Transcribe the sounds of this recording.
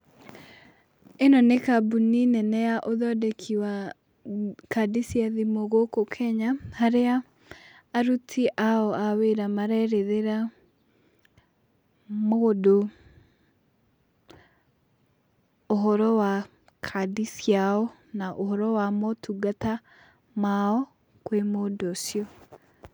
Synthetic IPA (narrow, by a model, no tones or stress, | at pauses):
enɔnekabuninɛnɛaʔoðɔdɛkʰiwa | kadisiaðimoɣokokʰɛɲahaɾeaː | ɾutʰiʔaɔaweɾamaɾɛɾeðeɾa | modo | oɦɔɾɔwa | kʰadisjaɔ | naʔoɦɔɾɔwamɔtʰuɡata | maɔ | kwemoːdosjɔ